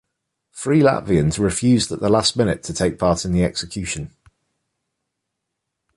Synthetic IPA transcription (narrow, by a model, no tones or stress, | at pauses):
fɹiːla̰ʔviə̃nzɹɪfjʉːzdəʔðəlasmɪnɪtʰətʰeɪk̚pʰɑˑtɪ̃nðiɛksɪkʰj̥ʉˑʃə̃n